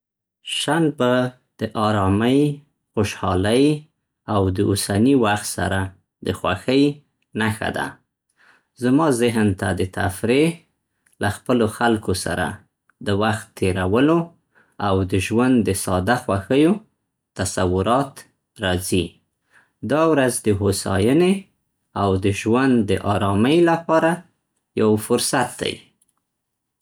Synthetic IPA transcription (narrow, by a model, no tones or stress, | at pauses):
ʃan̚ba | d̪̥əʔɑɾɑməj | xoʃhɑləj | awd̪əʔʊsaniwaxt̪sa̰ɾa | d̪əxwaxəj | naxa̰d̪a̰ | zamɑzɪɦnt̪ad̪ət̪a̰fɾe | laxpəloxalkosa̰ɾa̰ | d̪əwaxt̪ʰːeɾawəlo | awd̪əʒwand̪d̪əsɑd̪axwaxəjo | t̪asawʊɾɑt̪ | ɾɑzi | d̪ɑwɾazd̪əɦosɑ̰jəne | awd̪əʒwand̪d̪əʔɑɾɑməjlapɑɾa | jawfʊɾsat̪̚d̪a̰j